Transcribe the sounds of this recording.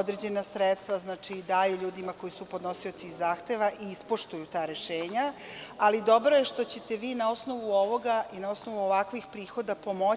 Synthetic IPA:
od̪ɾed͡ʑe̞nasɾet̪st̪ʋaznaːt͡ʂiːd̪aːjuʎuːd̪imako̞jisupo̞d̪no̞siot̪siːzaːxt̪e̞ʋaʔiːspoʃt̪ujut̪aːɾe̞ʃeːɲa | alid̪o̞bɾo̞je̞ʃt̪o̞t͡ɕe̞t̪e̞ʋiːnaosno̞ʋuoʋo̞ɡainao̞sno̞ʋuo̞ʋakʋixpɾiːxo̞d̪apo̞mo

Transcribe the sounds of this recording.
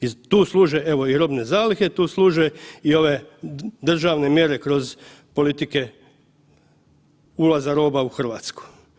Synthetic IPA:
it̪uːslˠuːʒeʔe̞ʋo̞iɾo̞bne̞zaːlixe̞t̪uːslˠuːʒe̞io̞ʋe̞d̪r̩ʒaʋne̞mje̞ɾe̞kɾo̞z | po̞lit̪ike̞ | ulazaɾo̞ːbauxr̩ʋaːt̪sku̥

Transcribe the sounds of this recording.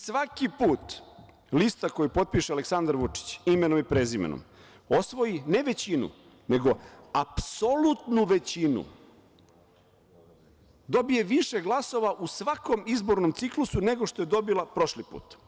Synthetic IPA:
sʋakipuːt̪ | list̪ako̞jupo̞t̪̚piʃeale̞ksand̪aɾʋut͡ʂi̥t͡ɕimenomipɾezimḛno̰m | o̞sʋo̞jine̞ʋe̞t͡ɕinṵ | ne̞ɡo̞apsolut̪nuʋe̞t͡ɕinṵ | d̪o̞bije̞ʋiʃeɡlˠaso̞ʋaʔusʋako̞mizbo̞ɾnomt̪siklusune̞ɡo̞ʃt̪ojed̪o̞bilˠapɾo̞ʃlipṵːt̪

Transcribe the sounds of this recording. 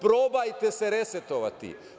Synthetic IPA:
pɾobajt̪ɛsɛɾesɛt̪oʋat̪ḭ

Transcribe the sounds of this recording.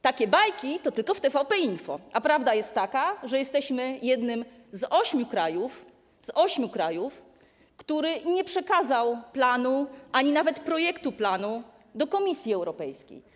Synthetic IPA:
t̪akʲɛbajkʲit̪ɔt̪ɘlkɔft̪ɛfawpɛinfɔ̰ʔapɾavd̪ajɛst̪ːakaʐɛjɛst̪ɛɕmɘjɛd̪nɘm | zɔɕmʲjukɾajuf | z̥ɔɕmʲukɾajuf | kt̪uɾɘɲɛpʂɛkazawplanuʔaɲinavɛt̪pɾɔjɛkt̪uplanu | d̪ɔkɔmʲisʲjiɛwɾɔpɛjskʲḛj

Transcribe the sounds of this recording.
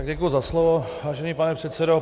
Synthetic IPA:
aɡɟɛkʊjuzaslovo | vaːʒɛniːpanɛpr̥ɛt̪sɛdo

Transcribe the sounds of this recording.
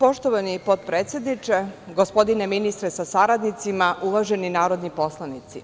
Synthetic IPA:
po̞ʃt̪oʋanipo̞t̪pɾeːt̪sje̞d̪nit͡ʃeɡospo̞d̪ineminist̪ɾesasaɾad̪nit̪simaʔuʋaʒe̞ninaːɾo̞d̪nipo̞slˠanit̪sḭ

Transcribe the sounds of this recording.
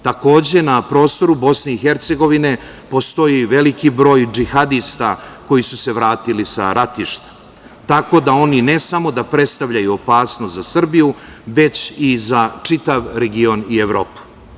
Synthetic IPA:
t̪ako̞ːd͡ʑe̞napɾo̞ːst̪o̞ɾubo̞sne̞ixe̞ɾt̪se̞ɡo̞ʋine̞ | po̞st̪o̞jiʋe̞likibɾo̞ːjd͡ʒixad̪ist̪ako̞jisuse̞ʋɾaːt̪ilisa̰ɾʔat̪iʃt̪ḁ | t̪ako̞d̪ao̞nine̞samo̞d̪apɾe̞t̪st̪aʋʎajuo̞paːsno̞st̪zasr̩biju | ʋe̞t͡ɕizat͡ʂit̪aʋɾe̞ɡio̞nieʋɾo̞̰ːpu̥

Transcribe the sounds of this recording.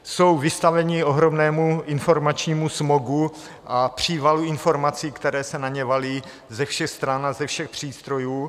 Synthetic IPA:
so̞wvɪst̪avɛɲɪo̞ɦɾo̞mnɛːmuʔɪnfo̞ɾmat͡ʃɲiːmusmoɡu | ʔapr̝̥iːvaluɪnfo̞ɾmat͡siːkt̪ɛɾɛːsɛnaɲɛvali | zɛfʃɛxst̪ɾanazɛfʃɛxpr̝̥iːst̪ɾo̞juː

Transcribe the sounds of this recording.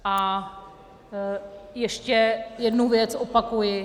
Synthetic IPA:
ʔa | jɛʃcɛjɛdnuvjɛt͡sʔopakujɪ

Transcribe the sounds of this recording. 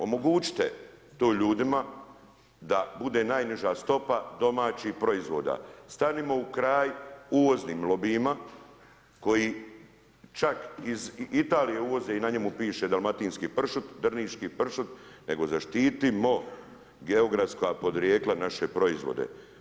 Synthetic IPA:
o̞̰mo̞ɡuːt͡ʃi̥t̪ḛt̪oːʎuːd̪ima | d̪abud̪e̞naːjniʒast̪o̞pad̪o̞maːt͡ɕihpɾo̞izʋo̞̰ːd̪a̰st̪animo̞ukɾaːjuʋo̞zniːmlo̞bima | ko̞jiː | t͡ʃakizit̪aːlije̞uʋo̞zeinaɲe̞mupiːʃe̞d̪almat̪iːnskipr̩ʃut̪d̪r̩niːʃkipr̩ʃut̪ne̞̰ɡo̞zaʃt̪iːt̪imo̞ | ɡe̞o̞ɡɾad̪skoaaːpo̞d̪ɾjeːklˠanaʃe̞pɾo̞izʋo̰d̪ḛ

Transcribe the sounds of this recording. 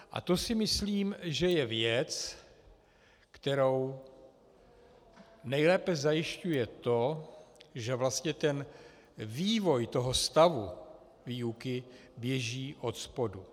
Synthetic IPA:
ʔa̰t̪o̞sɪmɪsliːmʒɛjɛvjɛt͡s | kt̪ɛɾo̞w | nɛjlɛːpɛzajɪʃcujɛt̪o̞ | ʒɛvlast̪ɲɛt̪ɛn | viːvo̞jt̪o̞ɦo̞st̪avu | viːukɪbjɛʒiːʔo̞t̪spo̞du

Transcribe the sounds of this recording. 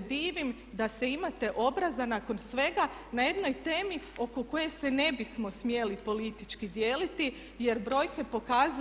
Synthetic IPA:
d̪iːʋim | d̪ase̞imat̪e̞ʔo̞bɾazanako̞nsʋe̞ɡa | naje̞d̪no̞jt̪e̞ːmio̞ko̞ko̞jese̞ne̞bismo̞smje̞lipo̞lit̪it͡ʃkid̪je̞ːlit̪i | je̞ɾbɾo̞jke̞po̞kaːzu

